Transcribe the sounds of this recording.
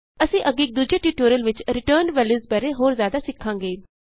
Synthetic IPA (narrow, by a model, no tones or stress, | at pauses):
əsĩːʔəɡɪk̚d̪ud͡ʒeːʈiːʈoːɾjəlʋɪt͡ʃɾɪʈəːɾɳʋɛːlizbɛːɾeːɦoːɾzjaːd̪aːsɪkʰːãːŋɡeː